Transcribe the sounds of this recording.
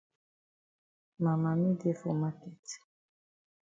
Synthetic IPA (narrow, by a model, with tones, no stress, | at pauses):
ma˨ma˨mĩ˦de˦fo˨ma˦kɛ˨t